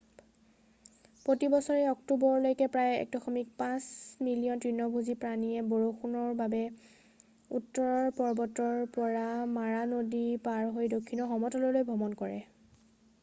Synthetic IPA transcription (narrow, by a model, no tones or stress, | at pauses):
pɹotibɔsɔɹɛɔktubɔɹlojkɛpɹajɛ̰k̚dɔxɔmik̚pãsmilijɔntɹinɔbʱuzipɹaniɛboɹoxunɔɹbabɛ | utːɔɹɔɹpɔɹbɔtɔɹpɔɹamaɹanodipaɹɦojdokʰːinɔxɔmɔtɔlɔlojbʱɔmɔnkɔɹɛ̰